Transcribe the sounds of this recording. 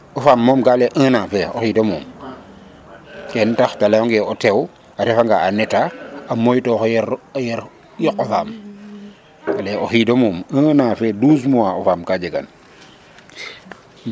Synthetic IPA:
ofamːomkaːleʔə̃nafeoxidomuːm | kentaxtalajoŋɡeotew | aɾefaŋɡaanetaamojtoxjɾjeɾ | jokofaːm | taleoxidomumə̃nafedus̬muwaofamkad͡ʒeɡa̰n

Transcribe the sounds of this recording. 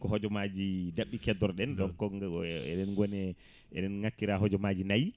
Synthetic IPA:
kɔɦɔd͡ʒɔmad͡ʒidaɓːikɛdɔɾɗɛnɗɔnkɔɛ̰ɗɛnɡɔnɛ | ɛ̰ɗɛnŋakːiɾaɦɔd͡ʒɔmad͡ʒinaj

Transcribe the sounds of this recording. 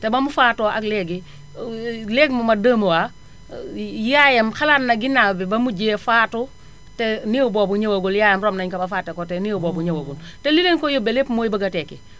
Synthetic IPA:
tɛbɐmufaːtɔːʔɐklɛɡi | lɛɡmɐmɐdəːmuwa | jajɐmxalaːtnɐɡinːaːwbɛbɐmuɟeːfaːtu | tɛniːwubɔːbuɲɐwɐɡuljaːjɐmɾɔːmnɐɲkɐbɐfaːtːɐkɔtɛniːwubɔːbuɲɐwɐɡultɛlilenkɔjobɛlepmoːjbɐɡɐtɛkːi

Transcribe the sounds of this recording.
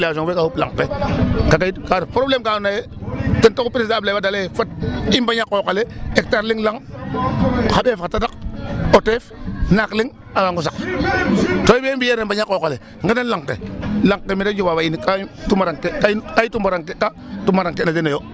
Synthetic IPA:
lsoŋwekahupla̰ŋpekakaikaɾpɾoblemkanaje | tintokupiɾisablabadalefat̚imbaɲakːokaleek̚taɾliŋlaŋ | habefatadakotefnakliŋ | awaŋɡus̬ak | toibembijenembaɲakokale | ŋɡenanlaŋkːḛlaŋkːemiɾed͡ʒubabainikatumaɾaŋkekakajitumbaɾaŋkeka | tumaɾaŋkenadenejo

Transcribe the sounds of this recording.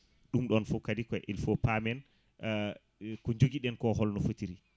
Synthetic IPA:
ɗumɗɔnfɔkːadikɔɛʔɛlfopamɛn | kɔɲd͡ʒoɡiɗɛnkɔɦɔlnɔfotiɾi

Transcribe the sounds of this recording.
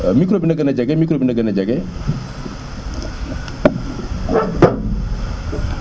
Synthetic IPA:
mikɾobinaɡənad͡ʒaɡɛmikɾobinaɡənad͡ʒaɡɛ

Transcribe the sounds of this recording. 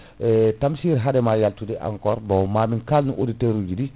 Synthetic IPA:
ɛtamsiɾɦadɛmajaltudɛʔa̰ŋkɔɾbawmaːminkalnuʔoditeɾud͡ʒudi

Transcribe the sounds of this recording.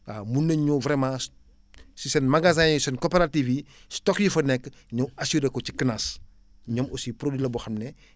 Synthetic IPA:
amunːɐɲuvɾɛmãs | sisɛnmɐɡazãjusɛnkopeɾativistɔkjifɐnɛkːɲɔwɐsuɾekɔt͡ʃikənas | ɲɔmosipɾodilɐbɔxɐmnɛ

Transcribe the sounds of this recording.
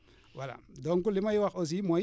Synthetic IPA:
wala̰doŋkulːimajiwakos̬iimo

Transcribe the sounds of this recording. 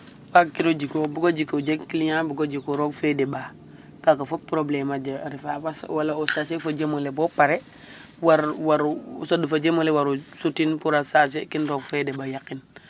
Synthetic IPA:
fakkiɾod͡ʒikobuɡod͡ʒikod͡ʒekkiliɲabuɡod͡ʒikoɾoɡfedeɓa | kakafopɾoblemad͡ʒaɾifafaswalaosasefod͡ʒemolebopaɾe | waɾwaɾsodufad͡ʒemolewaɾusutinpuɾasas̬ekinɾoɡfedebajakin

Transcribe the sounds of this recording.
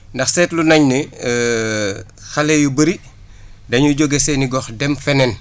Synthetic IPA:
ndɐxsɛːtlunɐɲni | xɐlɛjubəɾi | dɐɲuɟɔɡɛsɛniɡɔxdɛmfɛnɛn

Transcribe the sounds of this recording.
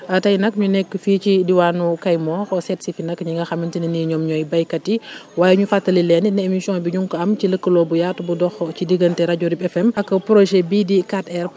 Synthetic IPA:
ɐtɐjnɐkɲunɛkːfiːt͡ʃidiwaːnukɐjmɔːxɔsɛtsifinɐkɲiŋɡɐxɐmintininiɲɔmɲɔjbɐjkɐtiwaːjɛɲufatːɐlilɛːninɛemisjɔ̃nbiɲuŋkɐmciləkːəlɔbujatubudɔxcidiɡəntɛɾaɟuɾibɛfɛmɐkːɐpɾoʃɛbidikatɛɾ

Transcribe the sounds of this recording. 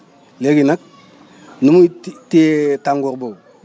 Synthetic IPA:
leɡinak̚ | numutitaŋɡuɾbo

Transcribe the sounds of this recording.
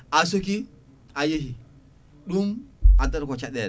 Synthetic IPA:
asok̬i | ajeɦi | ɗumadɐɾkɔt͡ʃaɗɛɾ

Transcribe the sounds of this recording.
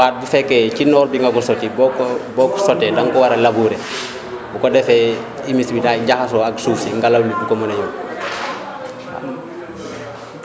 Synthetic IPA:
waːt̚bufɛkːɛcinɔːɾbiŋɡakusotibɔkbɔkusɔtɛdaŋkɔwaɾelabuɾe | bukodɛfɛ | imisbidaɟaxas̬oaksuːsiŋɡalablibukomɔneɲu

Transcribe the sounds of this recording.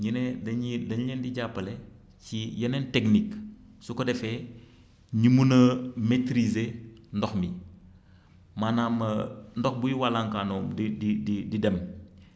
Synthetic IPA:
ɲinɛdɐɲidɐɲɲɛndiɟapːɐle | cijɐnentekniksukɔdɛfɛ | ɲimunɐmetɾizendɔxmi | manaːmːɐndɔxbujiwalaŋkaːnɔːmdididididɛm

